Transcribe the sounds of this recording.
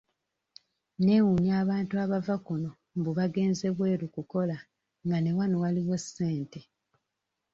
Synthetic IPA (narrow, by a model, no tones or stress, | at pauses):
ne̞ːwuɲjaːβaːntuaβavakono̞ | mbuβaɡe̞ːnze̞βwe̞ːɾukuko̞la | ŋɡane̞wano̞waliɣo̞sːe̞ːnte̞